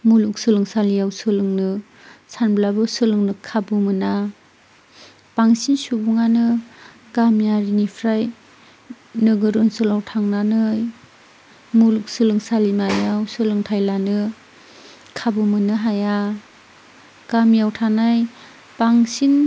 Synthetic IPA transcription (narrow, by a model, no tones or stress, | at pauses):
muluk̚sɯlɯŋsalijawsɯlɯŋnɯ | sanbilabɯsɯlɯŋnɯkʰabumɯna | paŋsinsubuŋanɯ | ɡamjaɾinipʰɾaj | nɯɡɯɾɯnsɯlawtʰaŋnanɯj | muluk̚sɯlɯŋsalimajawsɯlɯŋtʰajlanɯ | kʰabumɯnɯɦaja | ɡ̥amijawtʰanaj | paŋsin